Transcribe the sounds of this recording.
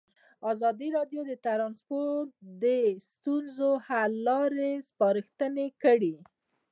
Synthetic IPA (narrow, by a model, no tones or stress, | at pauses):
ɑzɑd̪iɾɑɖjod̪ət̪aɾɑnspoɾt̪̚d̪əst̪unzohalːɑɾespɑɾɪxt̪ənekəɽi